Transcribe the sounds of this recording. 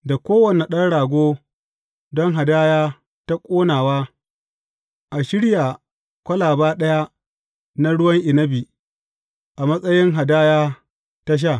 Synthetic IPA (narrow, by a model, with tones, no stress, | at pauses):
da˨kʷoː˦wɐ˨ne˨ɗɐ˦nɽaː˨ɡʷoː˦ | dɔ˦ŋɦa˨daː˦jaː˦ | ta˦kʷʼoː˦naː˨waː˦ | ʔa˨ʃɪ˦ɽja˨ | kʷɐ˦laː˨baː˦ɗɐ˦ja˦ | na˦ɽʊ˦wɐ˦ŋʔɪ˨nɐ˦bi˨ | ʔa˨mɐ˦sʼɐ˦jɪ˦ŋɦa˨daː˦jaː˦ | ta˦ʃ̬a˦˨